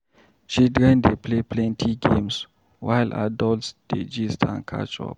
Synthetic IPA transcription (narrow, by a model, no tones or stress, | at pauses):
t͡ʃildɹɛ̃ndepʰlepʰlɛ̃ntʰiɡẽms | wajlʔa̰dɔltsd̥ed͡ʒistʰã̰nkʰa̰t͡ʃɔ̰p̚